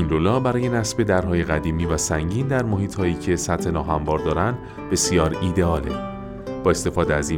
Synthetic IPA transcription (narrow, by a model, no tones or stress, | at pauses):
inɾolɒːbæɾɒːje̞næsbe̞d̪æɾɦɒːje̞ɣæd̪iːmiːvæsæŋɟiːnd̪æɾmohiːt̪ʰhɒːjiːcʰe̞sæt̪ʰhe̞nɒːɦæmbɒːɾd̪ɒːɾænd̪ | be̞sijɒːɾiːd̪eɒːlḛ | b̥ɒːe̞st̪e̞fɒːd̪eæziː